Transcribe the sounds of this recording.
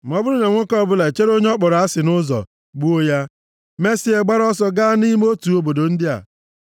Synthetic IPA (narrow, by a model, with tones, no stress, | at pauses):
m̩˨ɔ˦bʊ˦ɾʊ˦ne˨ŋʷʊ˦kɔ˦˨bʊ˦la˨e˨t͡ʃe˦ɾo˦ɲe˦ɔ˦k͡pɔ˨ɾa˦sɪ˨nʊ˦zɔ̰˨ | ɡ͡bu˦o˦ja˦ | me˦si˨e˨ɡ͡ba˦ɾɔ˦sɔ˦ɡa˦ni˦m˦o˦tu˨o˦bo˨do˨n̩˦dɪ˦a̰˨